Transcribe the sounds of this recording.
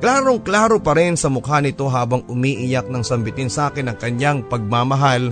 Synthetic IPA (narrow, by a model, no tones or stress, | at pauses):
klaːɾoŋklaːɾopɐɾɪnsɐmʊkhanɪt̪o̞ɦaːbɐŋʊmiːʔɪjak̚nɐŋsɐmbɪt̪ɪnsʔaːkɪnɐŋkɐɲjaŋpɐɡ̚maːmɐɦal